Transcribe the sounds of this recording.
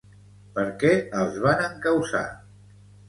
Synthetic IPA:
pəɾkɛəlˠzβ̞anəŋkəwsa̰

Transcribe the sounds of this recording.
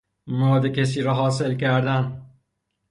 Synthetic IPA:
mɔd̪ekʰes̬iːɾɒːɦɒːselkæɾd̪æn

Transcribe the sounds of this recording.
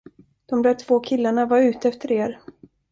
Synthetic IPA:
d̪̥ɔmd̪ɛt̪ʰv̥oːkʰɪlːaɳavaɾʉ̟ːt̪əɛft̪əɾeːɾ

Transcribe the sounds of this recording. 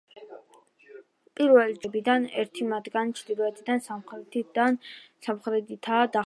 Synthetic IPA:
pʼiɾvɛlit͡ʃbid̪anɛ̰ɾt̪ʰimat̪ɡanit͡ʃʰd̪iɾɔɛt̪ʰʼid̪ansamχɾɛt̪id̪ansamχɾɛd̪it̪ʰaːd̪a

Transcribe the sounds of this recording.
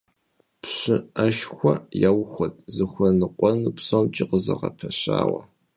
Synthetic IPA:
pɕɨɐʃxʷɔjawxʷɔtʰʼzɨxʷɐnɨqʷʼɔnupsɐwt͡ʃʼɪqəzɐʁɐpʰɐɕaːwɐ

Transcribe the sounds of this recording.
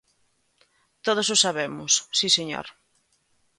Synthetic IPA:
t̪oð̞osʊsaβemʊssiseɲo̰ɾ

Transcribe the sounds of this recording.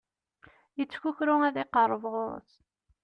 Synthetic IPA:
jət͡sːçuçɾʊæðiqərˤːəvʁʊɾ̰θ

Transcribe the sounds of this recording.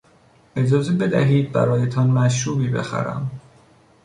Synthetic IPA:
ʔe̞d͡ʒɒːzebe̞d̪æɦiːd̪̚bæ̰ɾɒːjet̪ʰɒnmæʃuːbiːbe̞̰xæ̰ɾæ̰m

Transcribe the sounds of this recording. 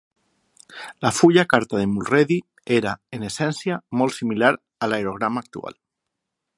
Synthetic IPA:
lafuʎakaɾt̪að̞emulreði | eɾaenesɛnsjamolsimilaɾ | alaeɾoɣ̞ɾamaːk̚t̪ṵa̰l

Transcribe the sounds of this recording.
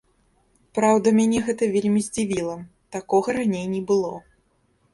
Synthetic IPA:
pɾawd̪ɐmʲanʲɛɣɛt̪ɐvʲelʲmʲizʲd͡zʲivʲilˠɐ | t̪akɔɣɐɾanʲejnʲɛbɨlˠɔ

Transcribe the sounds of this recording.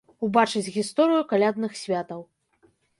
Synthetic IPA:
ubat͡ʂɨd͡zʲɣʲist̪ɔɾɨjukalʲad̪nɨxsʲvʲat̪ɐw

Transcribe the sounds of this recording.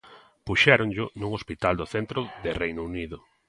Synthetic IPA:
puʃɛɾʊŋʎʊnuŋospit̪ald̪ʊθɛnt̪ɾʊðɪrejnʊuniðʊ

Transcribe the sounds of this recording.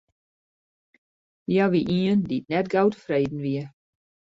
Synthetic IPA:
jaʋiʔiənditnɛtɡawtəfreːdn̩ʋiə

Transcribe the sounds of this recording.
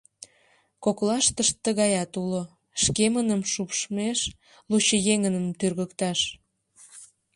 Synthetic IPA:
koklɑʃt̪əʃt̪ːəɣɑjɑt̪ulo | ʃkemənəmʃupʃmeʃ | lut͡ɕəjeŋənəmt̪yrɣəkt̪ɑʃ

